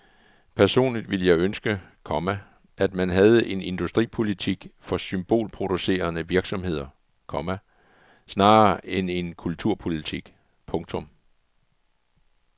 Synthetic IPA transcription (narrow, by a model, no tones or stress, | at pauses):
pʰæɐso̝̰ːnlid̥ʋiləjɑ̈ɪønsɡ̥ə | kʰɒ̽mæ | ʔæd̥mænɦæð̞̩ˠəʔe̝ne̝nd̥usd̥ʁḭːpʰo̝lit͡sʰiɡ̥fɒ̽symb̥o̝̰ːlpʰʁo̝d̥use̝̰ːɐnəʋiɐɡ̥sɒ̽mhe̝ð̞̰ˠɐ | kʰɒ̽mæ | snɑ̈ːʔene̝nkʰult͡sʰuɐ̰pʰo̝lit͡sʰiɡ̥ | pʰɔ̽ŋt͡sʰɔ̽m